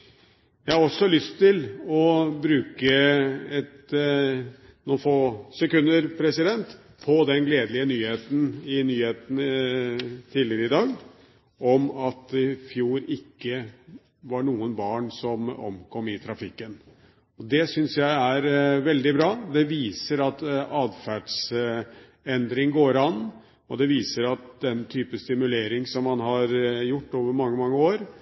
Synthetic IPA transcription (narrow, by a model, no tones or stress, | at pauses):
jæɪhɑɾɔsːɔlʏst̪ʰːɪlɔbɾʉːkəɛt̪ | nuːnfoːsɛkʉnd̪əɾpʰɾɛsɪd̪ɛnt̪ | pʰɔd̪ɛnɡleːd̪əlɪənyːheːt̪n̩ɪnyːheːt̪ən | t̪ʰiːdlɪəɾəɪd̪ɑːɡ | ɔmɑt̪ɪfjuːɾɪkːə | ʋɑɳuːənbɑːɳsɔmɔ̰mkʰɔmɪt̪ʰɾɑfɪkːən | ɔd̪ɛsʏnsjæɪæɾʋɛld̪ɪbɾɑːd̪ɛʋiːsəɾɑt̪ɑːd̪fæɖs | ɛnd̪ɾɪŋɡoːɾɑnː | ɔd̪ɛʋiːsəɾɑt̪̚d̪ɛnt̪ʰyːpəst̪ɪmʉleːɾɪŋsɔmːɑnɦɑɾjʊʈːoːʋəɾmɑŋːəmɑŋːəoːɾ